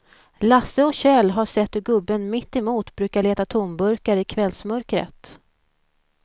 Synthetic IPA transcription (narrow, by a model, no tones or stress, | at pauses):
lasːəɔɕɛːlɦaʂɛt̪ːhɵɡɵbːənmɪt̪ːɪmuːt̪bɾʉ̟ːkaɭeːt̪at̪ʰʊmbɵɾkaɾɪkʰvɛlsmœɾkɾə̰t̪